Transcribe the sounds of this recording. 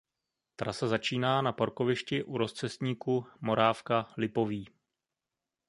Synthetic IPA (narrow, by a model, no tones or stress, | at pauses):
t̪ɾasazat͡ʃiːnaːnapaɾko̞vɪʃcɪʔuɾo̞st͡sɛst̪ɲiːkumo̞ɾaːfkalɪpo̞viː